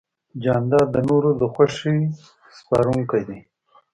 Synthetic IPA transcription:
d͡ʒɑːnd̪ɑːd̪ənoɾod̪əxwaʂi | spɑɾuŋkajd̪i

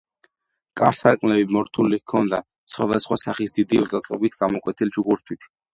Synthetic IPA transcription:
kʼaɾsaɾkʼmlɛbimɔɾt̪ʰulikʰɔnd̪a | t̪sʰχwad̪asχwasaχisd̪id̪iɾtzʼɛt̪ʼɔbit̪ʰɡamɔkʼwɛt̪ʰild͡ʒuɡuɾt̪ʰwit̪ʰ

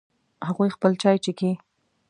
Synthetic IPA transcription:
haɣujxpəlt͡ʃɑjt͡ʃeki

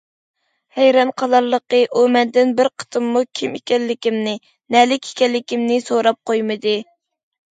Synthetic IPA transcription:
hɛjɾɑnqʰɑlˠɑɾlˠəqəʔumɛnd̪ɪnbɪɾqʰə̥t̪ʰɨmːukʲʰimekʲɛlːɪkʲimnɪ | nɛlɪkʲʰe̥kʲɛlːɪkʲimnɪsoɾɑp̚qʰojmɨd̪ɨ

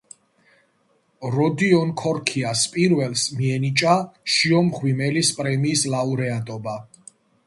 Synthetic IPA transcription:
ɾɔd̪iɔnkʰɔɾkʰiaspʼiɾvɛlˠsmiɛnit͡ʃʼaʃiɔmχwimɛlispʼɾɛmiːslauɾɛad̪ʼɔba

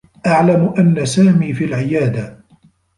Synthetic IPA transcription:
ʔaʕlamʔanːasaːmiːfiːlʕɪjaːd̪a

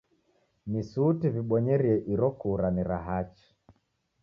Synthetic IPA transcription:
misutiviɓɔɲɛɾiɛʔiɾɔkuɾaniɾa̰ɦat͡ʃi̥

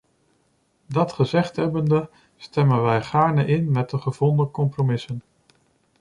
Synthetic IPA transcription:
dɑtχəzɛχtɦɛbəndə | stɛmənʋɛjχaːɹnəʔɪnmɛt̚dəχəvɔndəkɔmpromɪsən

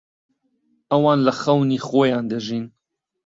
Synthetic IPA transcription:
ɐwɑːnlɐxɐwniːxoːjɑːnd̪əʒin

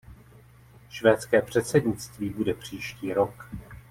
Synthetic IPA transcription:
ʃvɛːt̪t͡skɛːpr̝̥ɛt̪sɛdɲɪt̪t͡st̪viːbudɛpr̝̥iːʃciːɾo̞k

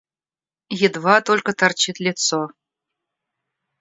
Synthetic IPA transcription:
jɘ̆d̪vɑt̪olʲkə̆t̪ɑrt͡ɕit̪lʲit̪so

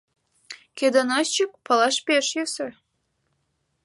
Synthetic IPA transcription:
ked̪ənost͡ɕək̚pɤlɑʃpeʃjøsə

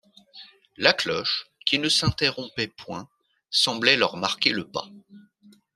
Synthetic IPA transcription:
laklɔʃkʲinəsɛ̃t̪eʁɔ̃pɛpwɛ̃ | sɑ̃blɛlœʁmaʁkʲeləpa̰

